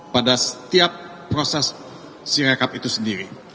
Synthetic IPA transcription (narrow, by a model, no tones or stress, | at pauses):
padasə̥t̪iapː | ɾosɛsː | iɾakapit̪usəndiɾi